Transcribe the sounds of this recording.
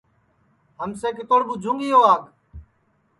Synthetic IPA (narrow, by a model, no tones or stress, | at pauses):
ɦəmseːk̬ɪt̪oːɽɓuːd͡ʒʱũːŋɡiːoːaːɡ